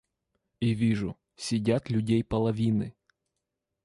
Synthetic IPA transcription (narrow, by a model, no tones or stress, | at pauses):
ivʲiʐʊ | sʲɪdʲat̪lʲʊdʲejpɐlˠɐʋʲinɨ